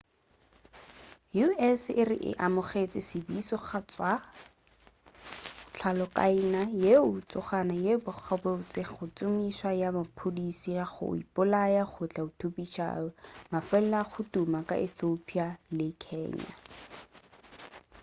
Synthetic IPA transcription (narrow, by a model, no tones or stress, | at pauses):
juɛsɪrɪ̰ʔɪ̰ʔamʊχet͡sɪsɪbisɔχat͡swa | t͡ɬʰalɔkʼa̰inajeʊt͡sʊχanajebʊk͡xʰɔbeʊt͡sɪχʊt͡sʊmiswajamapʰʊdisiaχʊ̰ḭpʊlajaχʊt͡ɬʼaʊtʰopit͡ʃʰa̰ɔmafɛllaχʊtumakʼa̰ʔiθopʰialɪkʰɛ̰ːɲa̰